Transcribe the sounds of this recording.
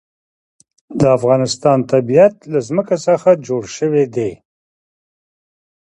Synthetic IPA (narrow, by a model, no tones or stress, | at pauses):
d̪əafɣɑnɪst̪ɑnt̪abijat̪lazməkasəxad͡ʒoɽʃəwed̪e